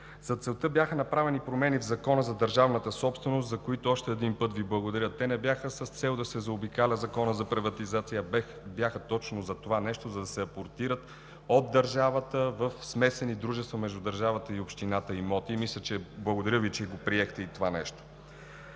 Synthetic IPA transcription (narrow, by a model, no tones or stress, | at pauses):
zɐt̪sɛlˠt̪əbjaxənɐpɾavɛnipɾomɛnivzɐkɔnəzɐd̪əɾʒavnət̪əsɔpst̪vɛnost̪zɐkoit̪oɔʃt̪ɛːd̪inpɤt̪viblˠɐɡod̪ɐɾət̪ːɛnɛbjaxəsəst̪sɛlˠd̪ɐsɛzɐobikalʲəzɐkɔnəzɐpɾivɐt̪izat̪sijə | bjaxət̪ɔt͡ʃnozɐt̪ovanɛʃt̪ozɐd̪ɐsɛɐpoɾt̪iɾət̪ | od̪ːəɾʒavət̪əvəfsmɛsɛnid̪ɾuʒɛst̪vəmɛʒd̪ud̪ɐɾʒavət̪əiopʃt̪inat̪əimɔt̪imislʲət͡ʃɛblˠɐɡod̪ɐɾʲəvit͡ʃɛɡopɾiɛxt̪ɛit̪ovanɛ̰ʃt̪o̥